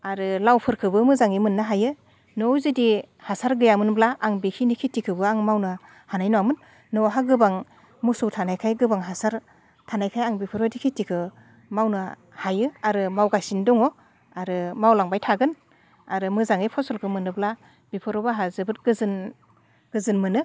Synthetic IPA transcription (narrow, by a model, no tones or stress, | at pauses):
aɾɯlawpʰɯɾkʰɯbɯmɯzaŋimɯnːaɦajɯ | nɔwzɯdi | hasaɾɡɯjamɯnblaʔaŋbikʰinikʰitikʰɯbɯaŋmawnɯ | hanajnɔwamɯnː | ɔɦaɡɯbaŋ | musɔwtʰanajkʰajɡɯbaŋɦasaɾ | tʰanajkʰajaŋbipʰɯɾɔdikʰitikʰɯ | mawnɯ | hajɯaɾɯmawɡasindɔŋɔ | aɾɯmawlaŋbajtʰaɡɯn | aɾɯmɯzaŋipʰɔsɔlkʰɯmɯnːɯbla | b̥ipʰɯɾɔbɯɦazɯbɯt̚ɡɯzɯn | ɡ̥ɯzɯnmɯnɯ